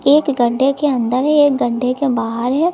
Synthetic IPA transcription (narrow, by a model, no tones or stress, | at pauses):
eːkɡɐɖʱːekeɐ̃nd̪əɾɦɛ̃eːk̚ɡɐɖʱːekebaːɦəɾɦɛ̃